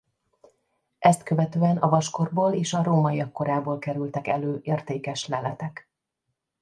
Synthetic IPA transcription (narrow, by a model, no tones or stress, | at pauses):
ʔɛst̪kø̞vɛt̪øːɛnɒvɒʃko̞rboːleːʃɒɾoːmɒiɒkːo̞ɾaːboːlkɛɾylt̪ɛkɛløːʔeːrt̪eːkɛʃlɛlɛt̪ɛk